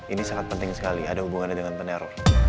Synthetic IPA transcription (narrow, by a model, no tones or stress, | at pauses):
inisaŋat̪̚pənt̪ɪŋsə̥kalia̰dahubuŋanɲadəŋanpəneɾɔr